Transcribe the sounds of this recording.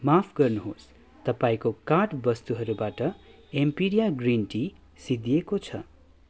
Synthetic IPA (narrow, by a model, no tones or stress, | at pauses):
mapʰɡʌrnuɦo̰s | t̪ʌpaĩkokaʈbʌst̪uɦʌɾubaʈʌ | empiɾijaɡrinʈi | sid̪iekot͡sʰʌ̰